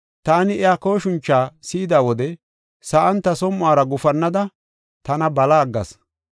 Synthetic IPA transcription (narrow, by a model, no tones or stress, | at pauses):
t̪aːnɪɛjako̞ːʃʊnt͡ʃːaːsɪːɪd̪aːwɔd̪ɛ | sɐʔɐnt̪ːɐsɔmːʊaːɾɐɡʊfɐnːɐd̪ɐ | t̪ɐnɐbɐlaːɡːɐ̰s